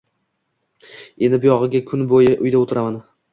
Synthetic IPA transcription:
e̞nɪbʊjɒʁɨɡʲakʲʰʊnbojɪʔʊjd̪aot̪ʰɪɾaman

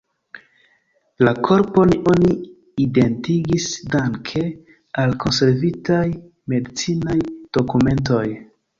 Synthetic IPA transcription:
lakʰo̞ɾpo̞niʔo̞ni | ide̞ntiɡisdaŋkʰe̞ | alkʰo̞nse̞ɾvitaj | me̞dit͡sinajd̥o̞kume̞nt̬o̞j

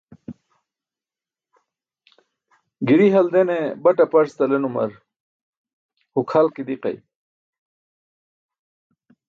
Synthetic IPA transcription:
ɡiɾiɦɐld̪enebɐʈapɐɾst̪ɐlenumɐ̰ɾ | hukʰalkid̪iqɐ̰j

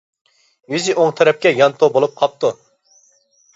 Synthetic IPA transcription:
jyziʔoŋt̪ʰɛɾɛp̚kʲɛjɑnt̪ʰobolˠup̚qʰɑp̚t̪ʰu

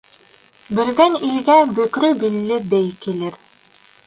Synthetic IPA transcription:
bɵ̆lɡænilɡæbɵ̆kɾɵbilːɘbɘjkilɘɾ

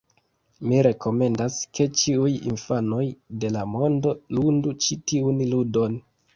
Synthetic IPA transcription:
miɾe̞ko̞me̞ndaskʰe̞t͡ʃiujḭnfano̞jde̞lamo̞ndo̞lundut͡ʃitiunludo̞n

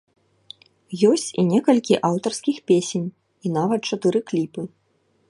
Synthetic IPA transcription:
jɔsʲt͡sʲinʲɛkɐlʲkʲiʔawt̪ɐrskʲixpʲesʲenʲ | inavɐt̪̚t͡ʂat̪ɨɾɨklʲipɨ

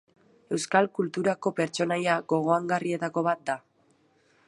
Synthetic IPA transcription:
e̞wskalkult̪uɾako̞pe̞ɾt͡ʃo̞najaɡo̞ɣ̞o̞aŋɡarie̞t̪ako̞βat̪̚d̪a

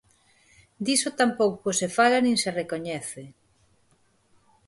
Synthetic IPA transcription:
d̪isot̪ampowkosefalanĩŋserekoɲɛθe

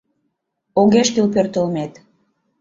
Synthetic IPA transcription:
oɣeʃkilp̬ørt̪əlmet̪

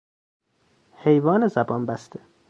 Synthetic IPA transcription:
hejvɒːnezæbɒːnbæst̪ʰe

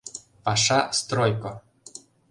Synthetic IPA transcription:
pɑʂɑst̪ɾojko

